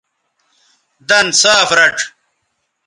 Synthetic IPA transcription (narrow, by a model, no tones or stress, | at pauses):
d̪ɐnsaːfɾɐʈ͡ʂʰ